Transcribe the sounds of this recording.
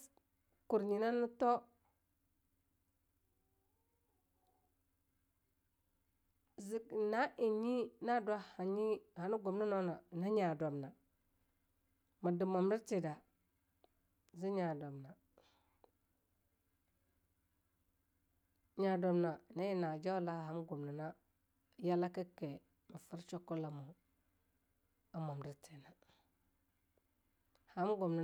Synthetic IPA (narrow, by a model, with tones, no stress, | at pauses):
ku˨ɾɲi˨na˦nu˦to˦ | zi˦na˦ʔi˨ɲi˦na˦dwa˦ha˨ɲi˦ha˨nu˦ɡo˨mni˦no˦na˨na˦ɲa˨do˨mna˨ | ma˨di˨ma˨m˦i˦t͡ʃi˨da˨ | zi˦ɲa˨do˨mna˨ | ɲa˨do˨mna˨na˦ji˦na˨d͡ʒo˦la˦˨ha˨˦m˦ɡo˨mni˨na˦ | ja˦la˦ki˦ke˨ | mi˨fi˦ɾt͡ʃo˦kːu˦la˨mu˨ | a˨˦mo˨m˨di˦ti˨na˨ | ha˨˦m˦ɡo˨mni˨